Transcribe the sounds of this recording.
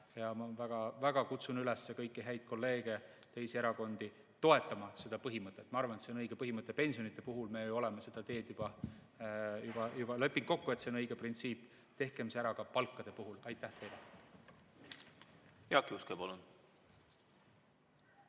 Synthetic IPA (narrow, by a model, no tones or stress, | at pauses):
jɑmɑvæɡ̥ɑvæɡ̥ɑkut̪sunylesːekɤjkːˑiɦæjd̪̥̚ko̞lːe̞ːɡ̥e̞ | t̪e̞jsie̞ɾɑko̞nd̪̥i | t̪o̞e̞t̪ːˑɑmɑse̞d̪ɑpɤɦimɤt̪ːˑe̞t̪ːmɑɑrvɑnet̪seo̞nɤjɡ̥e̞pɤɦimɤt̪ˑːepe̞nʲsijo̞nit̪ːˑepuɦulme̞juo̞lemese̞d̪̥ɑt̪e̞ːd̪̥jub̥ɑ | jub̥ɑjub̥ɑle̞pːˑiŋko̞kːuet̪senɤjɡ̥e̞print̪siːpː | t̪e̞hke̞mseæɾɑkɑpɑlkːɑd̪̥e̞puɦulɑjt̪ːˑæht̪e̞jle | heɑkːˑiuskebolun̥